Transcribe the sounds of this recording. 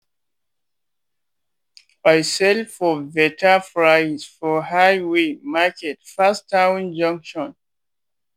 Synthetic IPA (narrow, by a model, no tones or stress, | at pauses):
ajsɛlfɔvɛtʰafɹajzfɔhajwemakʰɛtfastʰːaw̃nd͡ʒʌ̃ŋkʃɔ̃n